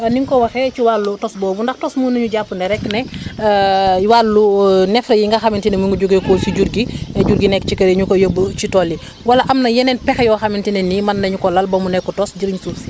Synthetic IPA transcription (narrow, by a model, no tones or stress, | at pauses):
niŋkɔwɐxɛt͡ʃiwalːutɔsbɔːbundɐxtɔsmuːnuɲuɟapːunɛɾɛkːnɛ | juwalːunɛfɾɐjiŋɡɐxɐmintinɛmuŋɡuɟuɡekɔsiɟuɾɡiɛɟuɾɡinɛkt͡ʃikɐɾeɲukɔjəbːət͡ʃitɔlːi | wɐlɐʔɐmnɐjɛnɛnpɛxjɔxɐmintinɛnimɐnːɐɲukɔlɐlbɐmunɛkːɔtɔsɟiɾiɲsusi̥